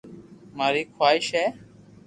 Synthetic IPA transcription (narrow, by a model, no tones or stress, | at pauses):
maːɾiːkʰwaːɪʃɦɛː